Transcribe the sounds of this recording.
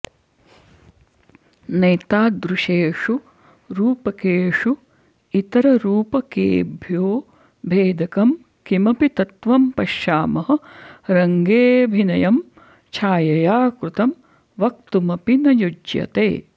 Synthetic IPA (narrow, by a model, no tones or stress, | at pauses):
nɐjt̪aːd̪ɾuʃeːʂu | ɾuːpɐkeːʂu | it̪ɐɾɐɾuːpɐkḛːbʱjoː | bʱeːd̪ʱɐkɐm | kimɐpit̪ɐt̪ʋɐmpɐʃjaːmɐɦɐ̆ɾɐŋɡeːbʱinɐjɐm | t͡ʃʰaːjɐjaːkɾut̪ɐm | ʋɐkt̪umɐpinɐjud͡ʒjɐ̰t̪ḛː